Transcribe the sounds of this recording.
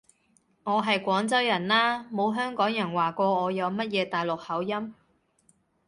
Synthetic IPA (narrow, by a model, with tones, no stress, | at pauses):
ŋɔː˨˧ɦɐ˨jkʷɔː˨˥ŋt͡sɐ˥wjɐ˨˩nlaː˥mo˨˧wɦœː˥ŋkɔː˨˥ŋjɐ˨˩nwaː˨˩kʷɔː˧ɔː˨˧jɐ˨˧wmɐ˥t̚jɛː˨˧t̪aː˨jlʊ˨k̚hɐ˨˥wjɐ˥m